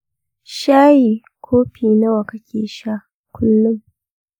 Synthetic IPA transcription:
ʃaː˦jiː˨ | kʷʰoː˦ɸiː˨na˦wɐ˨kɐ˦kʲeː˨ʃa˦ | kʷʰʊ˦lːʊ˦m

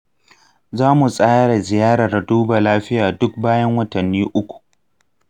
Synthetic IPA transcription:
zaː˦mu˨sʼaː˦ɽa˨zɪ˨jaː˦ɽa˨rduː˦baː˨laː˦ɸɪ˦jaː˨dʊ˦k̚baː˦jɐ˦ŋwɐ˦tɐ˨nːiː˦ʔʊ˦kʷu̥˨ʔ

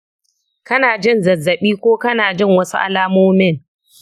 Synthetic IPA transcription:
kɐ˦naː˨d͡ʒɪ˦˨nzɐ˨zːɐ˨ɓiː˦kʷoː˦kɐ˦naː˨d͡ʒɪ˦˨ŋwɐ˦su˦ʔa̰˦laː˦moː˦mɪ˦˨ŋ

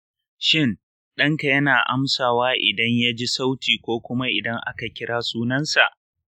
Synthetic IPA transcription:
ʃɪ˦˨n | ɗɐ˦ŋka˨jɐ˦naː˨ʔa˦msaː˨waː˦ʔɪ̰˨dɐ˦ɲja˦d͡ʒi˦sa˦wtiː˨kʷoː˦kʷʊ˦ma˦ʔɪ˨dɐ˦ŋʔa̰˦ka˨kʲɪ˦ɽaː˦suː˦nɐ˦nsa˨ʔ

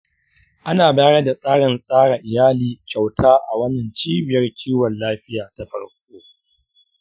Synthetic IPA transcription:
ʔa˦naː˨baː˦ɽa˦da˨sʼaː˦ɽɪ˨nsʼaː˦ɽa˨ʔɪ˨jaː˦liː˨kʲa˨wtʰaː˦ʔa˨wɐ˦nɐ˨nt͡ʃiː˦bɪ˨jɐ˦rkʲʰiː˦wɐ˨nlaː˦ɸɪ˦jaː˨ta˦ɸɐ˦ɽkʷoː˦

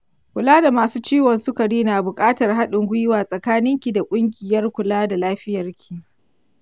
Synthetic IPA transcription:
kʷʊ˨laː˦da˨maː˨suː˦t͡ʃiː˦wɔ˨nsʊ˦kɐ˨ɽiː˦naː˨bʊ˨kʼaː˦tɐ˨rɦa˦ɗɪ˨ŋɡʷʊ˦jɪ˦waː˨sʼɐ˨kaː˦nɪ˦ŋkʲi˨da˨kʷʼʊ˦ŋɡʲɪ˨jɐ˦rkʷʊ˨laː˦da˨laː˦ɸɪ˦jɐ˨rkʲʰi̥˨

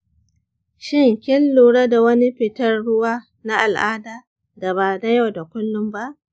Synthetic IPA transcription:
ʃɪ˦ŋkʲɪ˦lːuː˨ɽa˦da˨wɐ˦ni˦ɸɪ˨tɐ˦rɽʊ˦waː˦ | na˦ʔa˨lʔaː˦daː˨ | da˨βaː˨na˦ja˦˨wda˨kʷʊ˦lːʊ˦mba˦ʔ

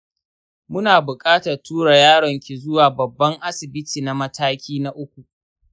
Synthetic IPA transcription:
mʊ˦naː˨bʊ˨kʼaː˦tɐ˨rtʰuː˦ɽa˨jaː˦ɽɔ˨ŋkʲi˨zʊ˦waː˨bɐ˨bːɐ˦ŋʔa˦sɪ˨bɪ˦tiː˨na˨mɐ˦tʰaː˦kʲiː˦na˦ʔʊ˦kʷu˨ʔ

